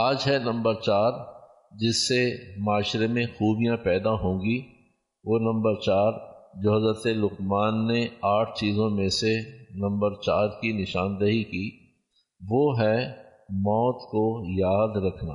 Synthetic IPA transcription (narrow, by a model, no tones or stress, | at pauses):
aːd͡ʒɦɛnɐ̃mbəɾt͡ʃaːɾ | d͡ʒɪsːemaːʃɾemẽxuːbijãpɛːd̪aɦõːɡi | ʋoːnɐ̃mbəɾt͡ʃaːɾd͡ʒoːɦɐzɾət̪elʊqmaːnːeaːʈʰt͡ʃiːzõmẽsenɐ̃mbəɾt͡ʃaːɾkinɪʃaːnd̪əɦikiː | ʋoːɦɛmɔːt̪kojaːd̪ɾɐkʰna̰ː